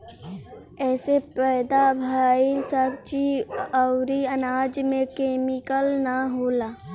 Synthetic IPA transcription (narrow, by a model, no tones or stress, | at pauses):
ɛːsepɛːd̪abʱaːisəbt͡ʃiəʊɾiɐnaːd͡ʒmẽkeːmɪkəlnaɦoːlaː